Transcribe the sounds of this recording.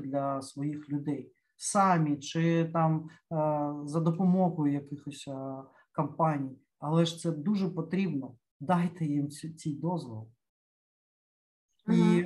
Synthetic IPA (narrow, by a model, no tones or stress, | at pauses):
d̪lʲɐsʋɔjixlʲʊd̪ɛj | sɑmʲit͡ʃɪt̪ɑm | zɐd̪ɔpɔmɔɦʊjʊjɐkɪxɔsʲ | kɐmpɑnʲij | ɐlˠɛʃt̪sɛd̪uʒɛpɔt̪ɾʲibnɔ | d̪ɑjt̪ɛjimt͡sʲijd̪ɔzʋɔ̰lˠ | i